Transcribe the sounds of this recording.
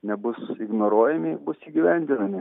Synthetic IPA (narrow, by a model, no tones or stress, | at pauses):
nʲɛbʊsɪɡnoːɾoːjɛmʲɪbʊsiːɡʲiʋʲɛnʲd̪ʲɪnɐmʲɪ